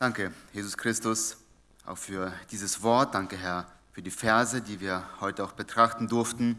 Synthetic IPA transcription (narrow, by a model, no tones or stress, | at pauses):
d̥aŋkəjeːzʊskʁ̥ɪstʊs | ʔa̰ʊxfyːɐd̥iːzəsv̥ɔɐt̚d̥aŋkəɦɛɐ | fyːɐdiːfɛɐzədiːviːɐhɔʏtəaʊxb̥ətʁ̥aχtn̩dʊɐftn̩